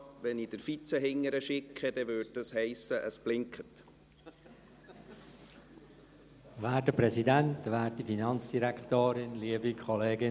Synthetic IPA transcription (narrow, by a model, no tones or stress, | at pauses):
ʋɛnid̥əɾfit͡səɦɪŋːəɾəʃɪkʰːəd̥ɛʋʏːd̚dɑshɛɪsəʔəsb̥lɪŋkʰət | væːtdəpɾɛsidæntʋæːt̚difinɑnsd̥iɾækt̪oːɾɪnliəbikʰɔleːɡɪ